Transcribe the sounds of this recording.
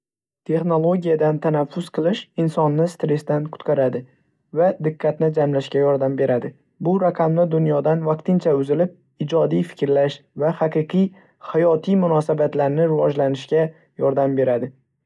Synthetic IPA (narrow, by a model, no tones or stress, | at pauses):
t̪ʰe̞χno̞lˠo̞ɡʲijad̪ant̪ʰanafːʊsqʰɨlˠɪʃɪnsɒnːɪst̪ɾe̞st̪ankʰʊ̥t̪qɑɾad̪ɪ | vad̪ɪqʰːɑt̪nɪd͡ʒamlaʃkʲajɒɾd̪ambe̞ɾad̪ɪ | bʊɾaqʰɑmnɪd̪ʊnjɒd̪anvaq̚t̪ɪnt͡ʃʰaʊzɪlɪp̚ | ɪd͡ʒɒd̪ijfɪ̥kʲɾlaʃvahaqɨqʰij | hajɒt̪ʰijmʊnɒsabat̪laɾnɪɾɪvɒd͡ʒlanɪʃkʲa | jɒɾd̪ambe̞ɾad̪ɪ